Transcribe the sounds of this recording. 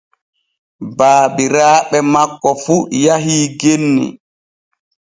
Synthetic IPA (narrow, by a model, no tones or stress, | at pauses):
baːbiɾaːɓɛmakːɔfujaɦiːɡenːḭ